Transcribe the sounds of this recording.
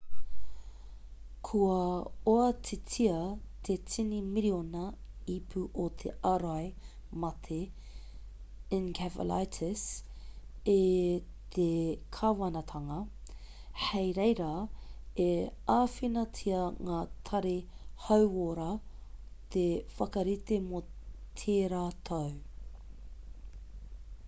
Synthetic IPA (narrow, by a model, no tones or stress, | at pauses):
kʰuɐoɐtʰetʰiɐt̪ʰet͡sʰinimiɾionɐipʰuʔot̪ʰḛʔaɾajmɐt̪ʰe | ɪnkʰævə̰la̰jtʰɪs | et̪ʰekʰawɐnɐt̪ʰɐŋɐ | hejɾejɾaeaːfinɐt͡sʰiɐŋaːt̪ʰɐɾihɐwoɾa | t̪ʰefɐkɐɾit̪emot̪ʰeːɾaːt̪ʰow